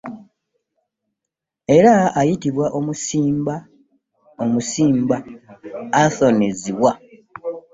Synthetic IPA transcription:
e̞ɾaːjitiβwaʔomusiːmba | omusiːmbaː | θo̞neziβwa

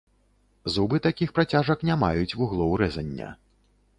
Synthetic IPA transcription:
zubɨt̪akʲixpɾat͡sʲaʐɐknʲamajut͡sʲvuɣlˠɔwɾɛzɐnʲːɐ̰

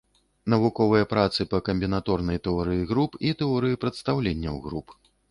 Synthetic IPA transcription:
nɐvukɔvɨjɐpɾat̪sɨpɐkɐmʲbʲinat̪ɔrnɐjt̪ɛɔɾɨjiɣɾupit̪ɛɔɾɨjipɾɐt̪st̪awlʲenʲːɐwɣɾup

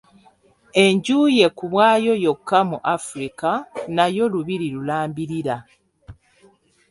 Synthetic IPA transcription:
e̞ɲɟuːje̞kuβwaːjo̞jo̞kːamuʔafuɾikanajo̞luβiɾilulaːmbiɾiɾa

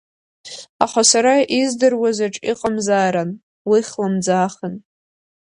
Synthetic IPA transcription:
aχasaɾaizdɨrwazaʈ͡ʂʼiqʼamzaːɾan | wiχlamd͡zaːχən

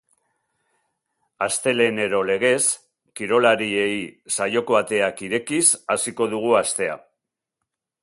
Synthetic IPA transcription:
ast̪e̞le̞ne̞ɾo̞le̞ɣe̞s | kiɾo̞laɾie̞jsajo̞koβat̪e̞akiɾe̞kisasiko̞ðuɣ̞uast̪e̞a̰

